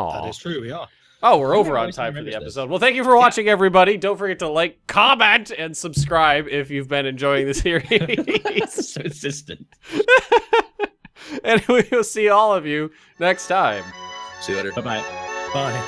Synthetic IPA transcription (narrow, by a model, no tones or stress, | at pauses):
o̰æ̰ɨz̥tʰɹ̥ʉwiə | oʊwɪɹoʊvə˞ə̰̃ntʰãɪ̃mfə˞ðiɛpəsoʊd̚wɛlˠθæ̃ŋkjɨfə˞wɑt͡ʃɪ̃ŋɛvɹibɑɾidõʊ̃ntfə˞ɡɛtʰəlaɪkʰːɑmɛ̃ntɨ̃nsɨb̥skɹaɪbɪfjʉvbɨ̃nɨ̃nd͡ʒɔɪɪ̃ŋðɨsɪɹi | z̥ɨsɪstɨ̃nt | ɨ̃nwiwlˠsiɔlˠʌvjʉ | nɛkstʰãɪ̃msiɛɾəbaɪbaɪb̥aɪ